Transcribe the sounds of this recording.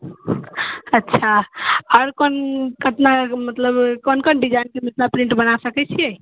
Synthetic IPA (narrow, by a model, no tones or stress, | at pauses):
ətːʃʰaɔɾkonkət̪namət̪ləbkənkənɖid͡ʒajinkemit̪lapɾĩɳʈbənasəkɛt͡ʃʰijɛ